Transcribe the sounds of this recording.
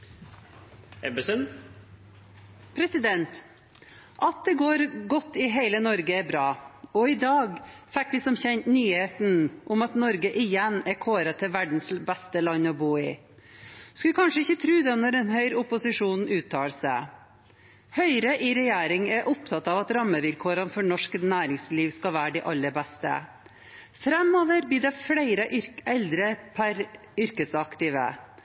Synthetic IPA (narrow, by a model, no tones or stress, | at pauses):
ɛbəsən | pʰɾɛsɪd̪ɛnt̪ | ʔɑt̪̚d̪ɛɡoːɾɡɔt̪ːɪɦeɪlənɔɾɡəæɾbɾɑːɔɪd̪ɑːɡfɛk̚d̪ɪsɔmçɛɲt̪nyːheːt̪n̩ʔʊmɑt̪nɔɾɡəʔɪjɛnːæɾkʰoːɾɑt̪ʰɪʋæɖɳ̩sbɛst̪əlɑɲːɔbuːɪ̰ | skʉlkʰɑnʂəɪçːət̪ʰɾʉːd̪ɛːnɔɾɛnhœʏɾʊpʊsɪʂuːnʉːt̪ʰːɑːlsæ | hœʏɾəʔɪɾɛjeːɾɪŋɛʔʊp̚t̪ʰɑt̪ːɑːʋɑt̪ɾɑmːəʋɪlkʰoːɾənfɔɳɔʂknæːɾɪŋsliːʋskɑʋæːɖɛʔɑlːəɾbɛst̪ə̰ | fɾɛmoːʋəɾb̪iːdɛflæɪɾəʔʏɾɛld̪ɾəpʰæɾ | ʏɾkəsɑkt̪ɪʋə̰